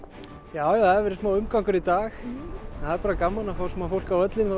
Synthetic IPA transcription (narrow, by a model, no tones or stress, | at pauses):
jaːwjaθaðɛɾvɛɾɪ̥smaːwʏmkawŋkʏɾit̪aːxnhaðɛɾpaːɾakamːanafawsɛmafowl̥kawœt̪lɪna